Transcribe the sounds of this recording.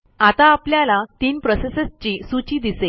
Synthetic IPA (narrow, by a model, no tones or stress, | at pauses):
at̪aːpljalat̪iːnpɾɔsesest͡ɕiːsut͡ɕiːd̪ise